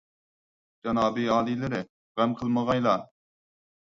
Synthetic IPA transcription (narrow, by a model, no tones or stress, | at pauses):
d͡ʒɑnɑːbiɑːlˠilɪɾɪ | ʁɛmqʰəlˠməʁɑjlˠɑ